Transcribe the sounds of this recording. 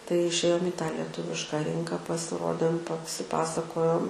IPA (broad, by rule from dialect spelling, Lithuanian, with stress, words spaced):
tɐɪ ɪʃʲˈeːjoːm iː tɑː lʲiɛˈtʊʋʲɪʃkɑː ˈrʲɪŋkɑː pɐsʲɪˈroːdʲeːm pɐsʲɪˈpɑːsɐkoːjoːm